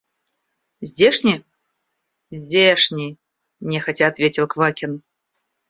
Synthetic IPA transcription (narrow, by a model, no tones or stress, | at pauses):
zʲdʲeʂnʲi | zʲdʲeʂnʲi | nʲɛxɐtʲat̪vʲet͡sʲilˠkvakʲin